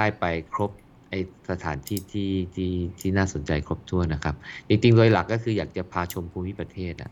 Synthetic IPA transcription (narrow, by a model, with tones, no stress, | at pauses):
daː˥˩jpa˧jkʰɾo˦˥p̚ | ʔa˧jsa˧t̪ʰa̰ː˩˦nt̪ʰiː˥˩t̪ʰiː˥˩t̪ʰiː˥˩t̪ʰiː˥˩naː˥˩so˩˦nt͡ɕa˧jkʰɾo˦˥p̚t̪ʰu˥˩əna˦˥kʰa˦˥p̚t͡ɕi˧ŋt͡ɕi˧ŋd̪o˧jla˨˩kːɔː˥˩kʰɯː˧jaː˨˩k̚t͡ɕa˨˩pʰaː˧t͡ɕʰo˧mpʰuː˧mi˦˥pɾa˧t̪ʰeː˥˩t̪̚ʔa̰˨˩ʔ